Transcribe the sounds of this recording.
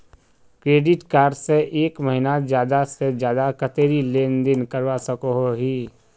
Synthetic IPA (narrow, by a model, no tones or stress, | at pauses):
kɾeːɖɪʈkaːɾɖseʔeːkməɦɪnazjaːd̪ased͡ʒjaːd̪akət̪eːɾileːnd̪ɪnkəɾʋasəkoɦoɦiː